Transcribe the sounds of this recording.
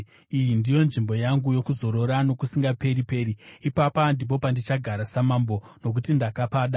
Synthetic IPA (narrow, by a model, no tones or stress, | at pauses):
ijindijo̞nʐimbo̞jaŋɡujo̞kuzo̞ɾo̞ɾano̞kusiŋɡape̞ɾipe̞ːɾiːpapandip̬o̞pandit͡ʃaɡʱaɾasamambo̞ | no̞k̬utindakapaːɗa